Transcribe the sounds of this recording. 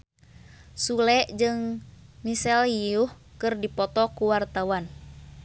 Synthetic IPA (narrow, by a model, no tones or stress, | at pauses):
sulɛʔd͡ʒɨŋmisɛljiuh | kɨrdipɔt̪ɔkuwart̪awan